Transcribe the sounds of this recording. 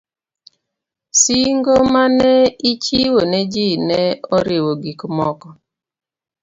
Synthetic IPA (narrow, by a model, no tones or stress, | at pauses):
siŋɡomanɛit͡ʃiwonɛd͡ʒinɛɔɾɪwoɡikmɔkɔ